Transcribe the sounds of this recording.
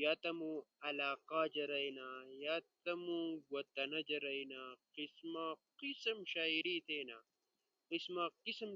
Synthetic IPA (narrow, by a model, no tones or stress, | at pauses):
jat̪ɐmuɐlaːqaːd͡ʒɐɾɐjnajat̪ɐmuwɐt̪ːɐnɐd͡ʒɐɾɐjnaqismaqisɐmʃaːiɾit̪ʰeːna | qismaqism